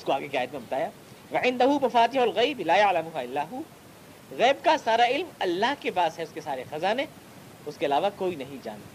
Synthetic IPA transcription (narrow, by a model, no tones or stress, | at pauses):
ʊskoaːɡekeaːjət̪mẽbɐt̪aːjaː | ʋɐʕɪ̃nd̪ɐɦubɐfaːt̪ɪɦɐlɣɐɪblaːjɐʕlɐmʊɦaɪlːaːɦʊ | ɣɛːbkasaːɾaɪlmɐlːaɦkepaːzɦɛʊskesaːɾexɐzanẽ | ʊskeɐlaːʋakoːinɐɦĩd͡ʒa̰ːnt̪a